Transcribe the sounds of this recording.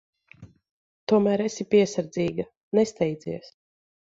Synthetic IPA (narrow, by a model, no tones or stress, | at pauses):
t̪uɔmæːɾɛsipʲiɛsaɾd̪ziːɡa | nɛst̪ɛjd̪ziɛs